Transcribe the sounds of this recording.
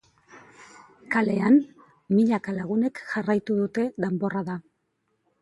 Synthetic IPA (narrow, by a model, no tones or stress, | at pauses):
kale̞an | miʎakalaɣ̞une̞kʝarajt̪uðut̪e̞ðembo̞raða